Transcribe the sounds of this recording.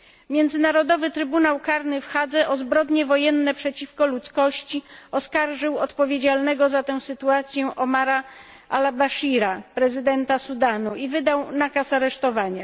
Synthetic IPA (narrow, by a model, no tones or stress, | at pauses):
mʲjɛnd̪zɘnaɾɔd̪ɔvɘt̪ɾɘbunawkaɾnɘfxad̪zɛʔɔzbɾɔd̪ɲɛvɔjɛnːɛpʂɛt͡ɕifkɔlut̪skɔɕt͡ɕiɔskaɾʐɘwɔt̪pɔvʲjed͡ʑalnɛɡɔzat̪ɛw̃sɘt̪uat̪sʲjɛʔɔmaɾa | ʔa̰labaʂiɾapɾɛzɘd̪ɛnt̪asud̪anuivɘd̪awnakasaɾɛʂt̪ɔvaɲa